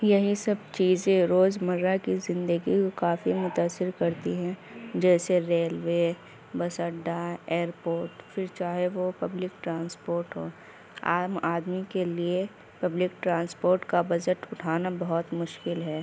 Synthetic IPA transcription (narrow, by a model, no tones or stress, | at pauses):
jɐɦisɐb̚t͡ʃiːzẽɾoːzmɐɾakizɪ̃nd̪əɡikokaːfimʊt̪aːsːɪɾkɐɾt̪iɦɛ̃d͡ʒɛːseɾeːlwe | bɐsəɖaeːɾpoːɾʈfɪɾt͡ʃaːɦeʋopɐblɪk̚ʈɾãːnspoːɾʈɦoː | a̰ːmaːd̪mikelie | pɐblɪk̚ʈɾãːnspoːɾʈkabɐd͡ʒɪʈʊʈʰaːnabɐɦɔt̪mʊʃkɪlɦɛː